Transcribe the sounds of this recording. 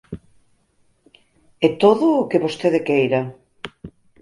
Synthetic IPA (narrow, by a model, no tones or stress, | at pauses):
et̪oðʊːkeβost̪eðekejɾɐ